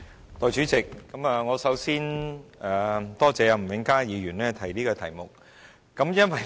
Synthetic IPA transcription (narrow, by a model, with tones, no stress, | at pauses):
t̪ɔː˨jt͡ʃyː˨˥t͡sɪ˨kːɐ˨˥maː˨ŋɔː˨˧sɐ˨˥wsiː˥naː˨t̪ɔː˥t͡sɛː˨˧jɐ˧m̩˨˩wɪ˨˥ŋkaː˥jiː˨˧ɥyː˨˩nlɛː˥t̪ʰɐ˨˩jliː˥kɔː˧t̪ʰɐ̰˨˩jmʊ˨k̚ː | ɐ˨˥mjɐ˥nwɐ˨j